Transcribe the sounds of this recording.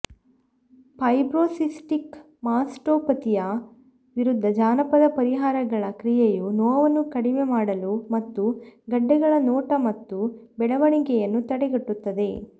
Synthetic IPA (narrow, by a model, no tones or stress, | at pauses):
pɐjbɾoːsisʈik | maːsʈoːpɐt̪ijɐ | ʋiɾud̪ʱːɐd͡ʒaːnɐpɐd̪ɐpɐɾiɦaːɾɐɡɐɭɐkɾijejunɔːʋɐnːukɐɽimemaːɽɐlumɐt̪ːuɡɐɖːɛɡɐɭɐnɔːʈɐmɐt̪ːubɛɭɐʋɐɳiɡɛjɐnːut̪ɐɽɛɡɐʈːut̪ːɐd̪e̞